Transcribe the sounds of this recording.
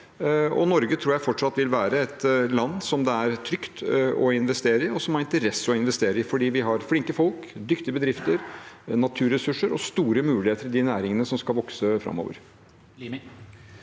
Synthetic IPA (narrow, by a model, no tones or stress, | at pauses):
ɔ̰nɔɾɡət̪ʰɾuːjæɪfɔʈʂɑt̪ːʋɪlʋæːɾəɛt̪lɑnːsɔmd̪ɛæɾt̪ʰɾʏkt̪ɔɪnʋɛst̪eːɾəɾɪɔsɔmhɑɾɪnt̪əɾɛsːɔɪnʋɛst̪eːɾəɪfɔɖiːʋɪɦɑɾflɪŋkəfɔlkd̪ʏkt̪ɪəbəd̪ɾɪft̪əɾnɑt̪ʰʉːɾɛsʉʂəɾɔst̪uːɾəmʉːlɪheːt̪əɾd̪ɪnæːɾɪŋənəsɔmskɑlʋɔksəfɾɑ̰mːo̰ːʋə̰ɾ